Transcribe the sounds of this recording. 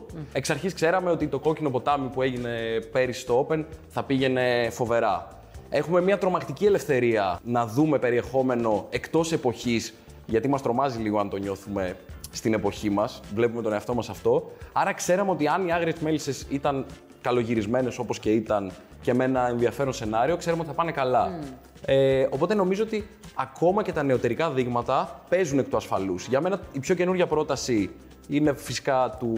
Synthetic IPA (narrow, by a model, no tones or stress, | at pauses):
e̞ksɐɾçiskse̞ɾɐme̞ot̪it̪o̞ko̞cino̞po̞t̪ɐmipue̞ʝine̞pe̞ɾist̪oope̞nθɐpiʝe̞ne̞fo̞ve̞ɾɐ | e̞xume̞mɲɐt̪ɾo̞mɐkt̪icie̞le̞fθe̞ɾiɐnɐðume̞pe̞ɾie̞xo̞me̞no̞e̞kt̪o̞se̞po̞çis | ʝɐt̪imɐst̪ɾo̞mɐziliɣoɐnt̪o̞ɲo̞θume̞st̪ine̞po̞çimɐsvle̞pume̞t̪oneɐft̪o̞mɐsɐft̪o̞ɐɾɐkseɾɐmeo̞t̪iɐniɐɣɾiezme̞lisesit̪ɐn | kɐlo̞ʝiɾizme̞ne̞so̞po̞sce̞it̪ɐn | ce̞me̞nɐe̞nðiɐfe̞ɾonse̞nɐɾio̞kse̞ɾɐmeot̪iθɐpɐnekɐlɐ | eo̞po̞t̪e̞no̞mizoot̪iɐko̞mɐce̞t̪ɐne̞o̞t̪e̞ɾikɐðiɣmɐt̪ɐpe̞zunekt̪uɐsfɐlusʝɐme̞nɐipço̞ce̞nuɾʝɐpɾo̞t̪ɐsi | ine̞fisi̥kɐt̪u